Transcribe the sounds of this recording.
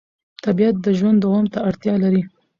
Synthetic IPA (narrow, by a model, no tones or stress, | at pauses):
t̪abijat̪̚d̪əʒwand̪ːawɑmt̪aaɽt̪jɑlaɾi